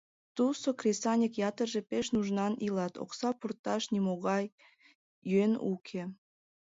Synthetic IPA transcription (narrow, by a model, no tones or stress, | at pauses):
t̪usokrʲesɑnʲəkjɑt̪ərʒepeʃnuʒnɑnilɑt̪o̰ksɑpurt̪ɑʃnʲimoɣɑjː | yenṵkʰe